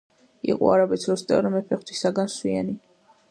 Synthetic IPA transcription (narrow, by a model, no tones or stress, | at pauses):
ḭqʼɔ̰aɾabɛt̪sʰɾɔst̪ʼɛ̰ɾɔmɛpʰɛχt̪ʰisaɡanswia̰ni